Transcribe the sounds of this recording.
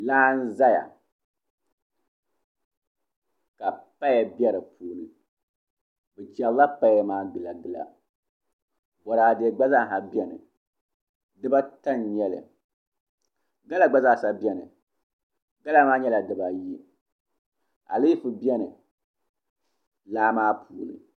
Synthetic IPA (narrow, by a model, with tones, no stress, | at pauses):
laː˦n̩˦za˦ja̰˨ | ka˨pa˦ja˨bɛ˦ɾɨ˨pʰuː˨lɨ˨ | bɨ˨d͡ʒɛ˨lla˦pa˦jmaː˦ɡɨ˨la˨ɡɨ˨la̰˨ | bɔ˨ɾa˨de˨ɡ͡ba˦za˦˨ɦa˨bɛ˦nɨ̰˨ | dɨ˦ba˦ta˦nɲɛ˦lɨ̰˨ | ɡa˦la˨ɡ͡ba˦za˦˨sa˦bjɛ˦nɨ˨ | ɡa˦la˦maː˦ɲɛ˦la˨dɨ˨ba˨ji˦ | a̰˨li˦fɨ˨bjɛ˦nɨ˨ | laː˦maː˦pʰuː˨lɨ̰˨